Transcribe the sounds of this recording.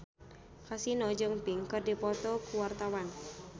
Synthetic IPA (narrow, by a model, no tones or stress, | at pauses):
kasinɔd͡ʒəŋpɪŋkərdipɔt̪ɔkuwart̪awan